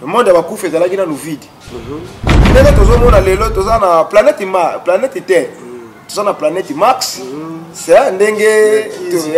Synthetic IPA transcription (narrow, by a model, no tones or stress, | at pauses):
nomɔndabakufezalakinanuvid | ndeŋɡetozomɔnalelotozanaplanɛtmaplanɛtitɛ | tozanaplanɛtmaks | saandeŋɡeto